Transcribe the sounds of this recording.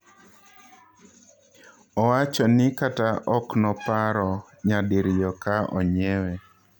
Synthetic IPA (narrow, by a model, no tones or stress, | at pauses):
ɔwat͡ʃɔnɪkataʔɔknɔpaɾɔ | ɲadɪɾjɔkaʔɔ̰ɲɛwe